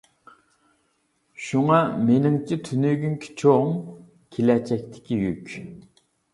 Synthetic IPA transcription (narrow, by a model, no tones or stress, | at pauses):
ʃuŋɑmenɪŋt͡ʃʰit̪ʰynyɡʲymkʲʰi̥t͡ʃʰoŋ | kʲʰelɛt͡ʃʰɛk̚ʲt̪ʰɪ̥kʲijykʲ